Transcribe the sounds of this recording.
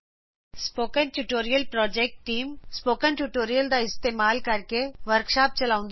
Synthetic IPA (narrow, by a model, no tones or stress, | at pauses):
spoːkənʈuʈoːɾijəlpɾɔːd͡ʒeːk̚ʈːiːmspoːkənʈuʈoːɾijəld̪aɪst̪eːmaːlkɐɾkeʋəɾkʃaːp̚t͡ʃɐlaːʊ̃nd̪